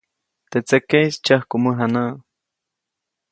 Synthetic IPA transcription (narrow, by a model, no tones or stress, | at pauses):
t̪et͡sekejst͡ʃahkuməɦanaː